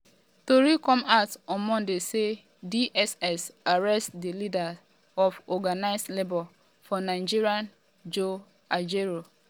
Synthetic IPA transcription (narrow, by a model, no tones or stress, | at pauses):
toɾikɔ̃matɔ̃mɔ̃ndese | diʔɛsɛsaɹɛstdilida | ɔfɔɡanaɪstlebɔl | fɔnãɪ̃d͡ʒiɹiãn | d͡ʒo | ad͡ʒeɹo